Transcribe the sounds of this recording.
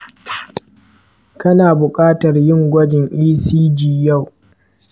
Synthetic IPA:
kɐ˦naː˨bʊ˨kʼaː˦tɐ˨rjɪ˦˨ŋɡʷɐ˦d͡ʒɪ˨ŋʔiː˦siː˦d͡ʒiː˨ja˦˨w

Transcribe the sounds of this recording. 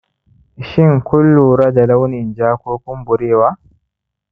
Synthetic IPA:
ʃɪ˦ŋkʷʊ˦lːuː˨ɾa˦da˨la˦wnɪ˨nd͡ʒaː˦kʷoː˦kʷʊ˦mbʊ˨ɾeː˦˨waː˦

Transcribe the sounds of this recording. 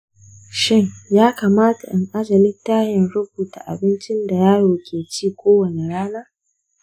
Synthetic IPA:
ʃɪ˦ŋjaː˦kaː˨maː˦ta̰˨ʔɪ˨ŋʔa˦d͡ʒɐ˨lɪ˦tːaː˦jɐ˨nɽʊ˦buː˨ta̰ː˨ʔa̰˨bɪ˦nt͡ʃɪ˦nda˨jaː˦ɽoː˨kʲʰeː˨t͡ʃiː˦˨kʷoː˦wɐ˨ne˨ɽaː˦naː˦

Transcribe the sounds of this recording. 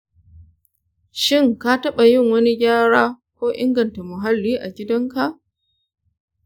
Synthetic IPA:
ʃɪ˦ŋka˦tɐ˦ɓa˨jɪ˦˨ŋwɐ˦ni˦ɡʲaː˦ɽaː˦ | kʷoː˦ʔɪ̰˦ŋɡɐ˨nta˨mʊ˨ɦa˦lːiː˦ʔa˨ɡʲɪ˦dɐ˦ŋka˦˨ʔ

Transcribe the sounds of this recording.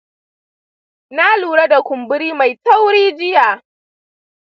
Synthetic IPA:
na˦luː˨ɽa˦da˨kʷʊ˨mbʊ˦ɾiː˦ma˨jta˦wɽiː˦d͡ʒɪ˦jaː˨

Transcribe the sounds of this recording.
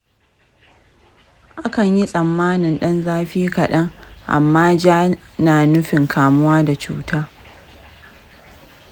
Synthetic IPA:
ʔa˦kɐ˨ɲji˦sʼɐ˨mːaː˦nɪ˨nɗɐ˦nzaː˦ɸiː˦kɐ˨ɗɐ˦ŋʔa̰˨mːaː˦d͡ʒaː˦naː˨nʊ˦ɸɪ˨ŋkʰaː˨mʊ˦waː˦da˨t͡ʃṵː˦tʰaː˦

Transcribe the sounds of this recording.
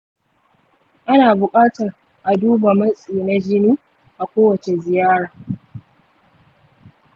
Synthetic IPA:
ʔa˦naː˨bʊ˨kʼaː˦tɐ˨r | ʔa˨duː˦ba˨mɐ˦sʼiː˨na˦d͡ʒɪ˦niː˦ | ʔa˨kʷoː˦wɐ˨t͡ʃe˨zɪ˨jaː˦ɽaː˨

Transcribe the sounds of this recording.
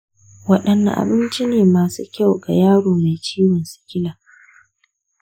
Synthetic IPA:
wɐ˦ɗɐ˨nːa̰˨ʔa̰˨bɪ˦nt͡ʃi˦neː˨maː˨sṵː˦kʲa˦wɡa̰˨jaː˦ɽoː˨ma˨jt͡ʃiː˦wɪ˨nsɪ̥˨kʲɪ˦laː˨

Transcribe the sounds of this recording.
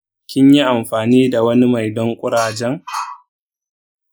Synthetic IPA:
kʲɪ˦ɲji˦ʔa˨mɸaː˨niː˦da˨wɐ˦ni˦ma˨jdɔ˦ŋkʷʼʊ˦ɽaː˨d͡ʒɛ˦ŋ

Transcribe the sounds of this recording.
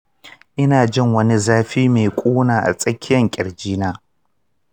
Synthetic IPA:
ʔɪ˦naː˨d͡ʒɪ˦˨ŋwɐ˦ni˦zaː˦ɸiː˦me˨kʷʼuː˦naː˨ʔa̰˨sʼɐ˦kʲːɪ˦jɐ˨ŋkʲʼɪ˨ɽd͡ʒiː˦naː˦

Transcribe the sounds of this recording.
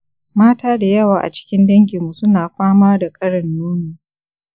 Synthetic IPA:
maː˦taː˦da˨jɐ˦waː˨ʔa̰˨t͡ʃɪ̥˦kʲɪ˦ndɐ˦ŋɡʲi˨mːu˨sʊ˦naː˨ɸaː˦maː˦da˨kʼɐ˦ɽɐ˨nːuː˦niː˨

